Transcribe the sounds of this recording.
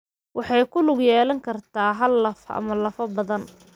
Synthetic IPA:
wɑħɑjkʰʊlʊɡjɛːlɐŋkʰɐrt̪ʰaːɦɐlːɐfɐ̰mɐlɐfɐbɐðɐn

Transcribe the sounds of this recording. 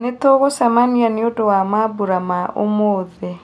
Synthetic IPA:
netoɣosamanianeodowamabuɾamaʔo̰moːðe

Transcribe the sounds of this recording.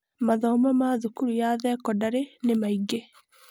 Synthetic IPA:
maðɔmamaðukuɾujaðɛkɔdaɾenemaiɡe

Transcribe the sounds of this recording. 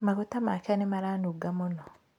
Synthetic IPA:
maɣotamaːkanemaɾanuɡamonɔ

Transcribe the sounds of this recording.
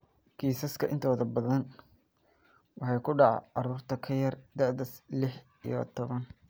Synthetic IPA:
kʰiːsɐskʰɐʔɪ̰nt̪ʰɔːðɐbɐðɐn | wɑħɑjkʰʊɖɑʕɑ̰ɑruːrt̪ʰɐkʰɐjɐrd̪ɛʕd̪ɐslɪħ | ḭjɔ̰t̪ʰɔβɐn

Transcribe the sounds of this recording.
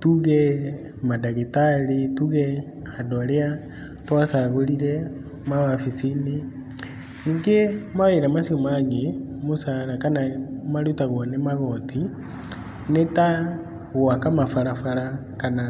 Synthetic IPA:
tuɣɛ | madaɣetaletuɣɛ | adoaɾea | twasaɣoɾiɾɛ | mawafisine | niːŋɡemaweɾamasijomaɣemosaɾakanamaɾutaɣɔnemaɣɔti | neta | ɣwakamafaɾafaɾa | kana

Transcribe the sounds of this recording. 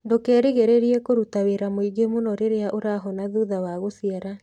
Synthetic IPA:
ndokɛːɾeɣeɾeɾiɛkoɾutaweɾamoiɡemonɔɾeɾeaʔoɾaɦɔnaðuðawaɣosiaɾa

